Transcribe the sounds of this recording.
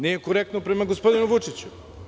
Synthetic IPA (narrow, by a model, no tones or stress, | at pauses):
nijekoɾek̚t̪nopɾe̞maɡospo̞d̪inuʋut͡ʂit͡ɕu